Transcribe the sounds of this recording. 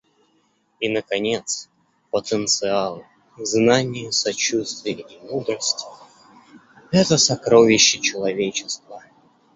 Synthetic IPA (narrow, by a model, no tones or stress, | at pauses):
inəkɐnʲet̪s | pət̪ənt̪sɨalˠɨ | znanʲɪjəsɐt͡ɕust̪vʲɪjəimud̪rəsʲtʲ | ɛt̪əsɐkɾovʲɪɕːɪt͡ɕɪlˠɐvʲet͡ɕɪst̪və